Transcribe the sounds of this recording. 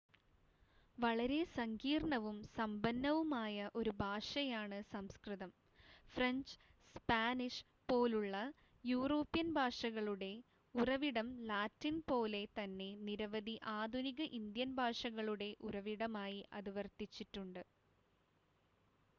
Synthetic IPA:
ʋɐɭɐɾe̞sɐŋɡiːrɳɐʋumsɐmbɐnːɐʋumaːjɐʔo̞ɾubʱaːʂɐjaːɳɨsɐmskrɨðɐm | frɐɲd͡ʑspaːniʂ | po̞ːluɭːɐ | juːroːpːjɐnbʱaːʂɐɣɐɭuɽe̞ | urɐʋiɽɐmlaːtːinpo̞ːle̞t̪ɐnːe̞niɾɐʋɐd̪ʱiʔaːd̪ʱuniɣɐʔind̪jɐnbʱaːʂɐɣɐɭuɽe̞ʔuɾɐʋiɽɐmaːjiʔɐ̰ðiʋɐrt̪it͡ɕːitːuɳɖɨ

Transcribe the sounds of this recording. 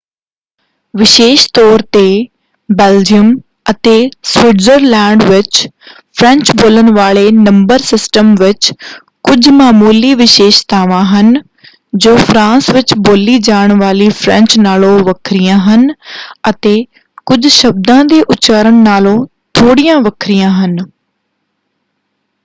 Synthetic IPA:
ʋɪʃeːʃt̪ɔːɾt̪eː | bɛːld͡ʒijəm | ət̪eːsʋɪɖzəɾlɛ̃ːɳɖʋɪt͡ʃ | pʰɾɛ̃ɲt͡ʃboːlənʋaːɭeːnə̃mbəɾsɪsʈəmʋɪt͡ʃ | kʊd͡ʒmaːmuːliːʋɪʃeːʃt̪aːʋãːɦən | d͡ʒoːpʰɾãːsʋɪt͡ʃboːliːd͡ʒaːəɳ̃ʋaːliːpʰɾɛ̃ɲt͡ʃnaːlõːʋəkʰɾɪjãːɦənət̪eː | kʊd͡ʒʃəb̚d̪ãːd̪eːʔʊt͡ʃaːɾəɳnaːlõː | t̪ʰoːɽijãːʋəkʰɾɪjãːɦən

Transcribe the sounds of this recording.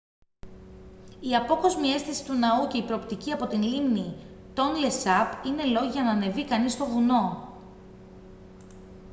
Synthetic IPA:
iɐpo̞ko̞zmie̞st̪isi̥t̪unɐuce̞ipɾo̞ːpt̪iciɐpo̞t̪inlimni | t̪o̞nle̞sɐpine̞lo̞ʝiʝɐnɐne̞vikɐnist̪o̞vuno̞

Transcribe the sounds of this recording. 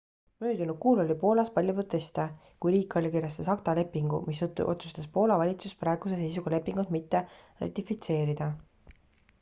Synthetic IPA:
møːd̪unud̥̪̚kuːlo̞lʲipo̞ːlɑspɑlʲjuprot̪ːe̞st̪e | kujɾiːkːˑɑlʲkiɾjɑst̪esɑkt̪ɑle̞pːiŋɡ̥ṵmistʔo̞t̪su̥st̪ɑspo̞ːlɑvɑlʲit̪suspɾɑˑe̞ɡ̥use̞s̬e̞js̬uɡɑle̞pːiŋɡut̪mit̪ːe̞rɑ̰t̪ːˑifit̪se̞ːɾid̪̥ɑ

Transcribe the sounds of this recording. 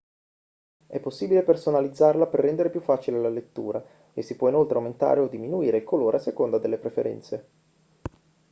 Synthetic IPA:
ɛpːosːiːbilepersonalid̪zːarlaperːɛnd̪eɾepjufːaːt͡ʃilelalet̪ːṵːɾa | esːipwɔinolt̪ɾeawment̪a̰ːɾeod̪ːiminuiːɾekʰoloːɾeasːekond̪ad̪elːepɾefḛɾɛ̰nt̪se

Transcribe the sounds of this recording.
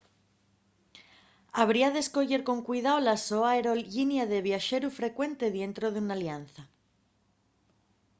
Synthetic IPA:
aβ̞ɾiaðesko̞ʝe̞ɾko̞ŋkwiðawolasoaeɾo̞lʝinjaðe̞β̞jaʃe̞ɾufɾe̞kwe̞nt̪e̞ðje̞nt̪ɾoðeunaljanθa

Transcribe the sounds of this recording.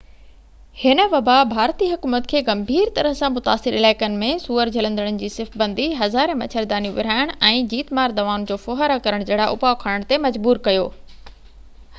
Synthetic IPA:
hɪnə̆ʋɐbabʱaːɾt̪iɦʊkuːmət̪kʰeːɡɐmbʱiːɾt̪ɐɾəɦsãmʊt̪aːsɪɾɪlaːɪkənɪ̆mẽsuːəɾd͡ʑʱɐlə̃nd̪əɽ̃ʊnɪ̆d͡ʑiːsɪfbɐ̃nd̪ʱiɦɐzaːɾẽmɐt͡ɕʰəɾd̪aːnijũʋɪɾ̤aːɪɽ̃ʔɛ̃ːd͡ʑiːt̪maːɾd̪ɐʋaːʊnd͡ʑoːfoːɦaɾakɐɾəɽ̃d͡ʑɐːɽaʔʊ̰paokʰaɽ̃əɽ̃t̪emɐd͡ʑbuːɾkɐjo̰ː

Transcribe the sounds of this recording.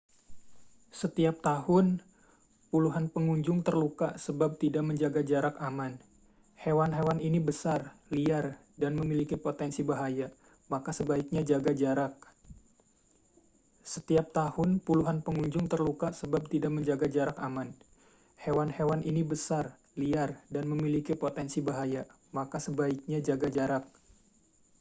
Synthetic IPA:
sət̪iap̚t̪ahʊn | puluɦanpəŋuɲd͡ʒʊŋt̪ərlukaʔsəbap̚t̪idaʔməɲd͡ʒaɡad͡ʒaɾakaman | hewanɦewaninibəsarliar | danməmilikipot̪ɛnsibaɦaja | makasəbaik̚ɲad͡ʒaɡad͡ʒaɾak̚ | sət̪iap̚t̪ahʊnpuluɦanpəŋuɲd͡ʒʊŋt̪ərlukaʔsəbap̚t̪idaʔ̚məɲd͡ʒaɡad͡ʒaɾakaman | hewanhewanʔinibəsar | liardanməmilikipot̪ɛnsibaɦaja | makasəbaɪk̚ɲad͡ʒaɡad͡ʒaɾak̚

